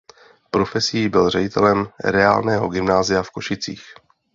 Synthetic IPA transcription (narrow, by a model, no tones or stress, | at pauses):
pɾo̞fɛsijːbɪlr̝ɛɟɪt̪ʰɛ̰lɛmɾɛa̰ːlnɛːɦo̞ɡɪmnaːzɪjafko̞ʃɪt͡sḭːx